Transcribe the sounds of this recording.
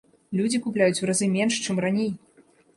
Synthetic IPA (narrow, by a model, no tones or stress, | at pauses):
lʲud͡zʲikuplʲajut͡sʲvɾazɨmʲɛnʂt͡ʂɨmranʲej